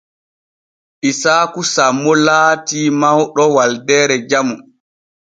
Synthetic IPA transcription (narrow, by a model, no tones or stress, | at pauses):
ʔisaːkusamːɔlaːtimawɗɔwaldɛːɾɛd͡ʒamu